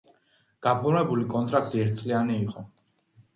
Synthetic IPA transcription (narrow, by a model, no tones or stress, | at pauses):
ɡ̥apʰuɾnɛbulikʼɔnt̪ʼɾak̚t̪ʼiɛɾt̪̚ʰsʼlianiːqʼɔ